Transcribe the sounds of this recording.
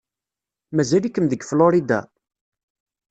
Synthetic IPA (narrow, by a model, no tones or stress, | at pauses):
mæzælikːəmðəɡfloɾid̪a̰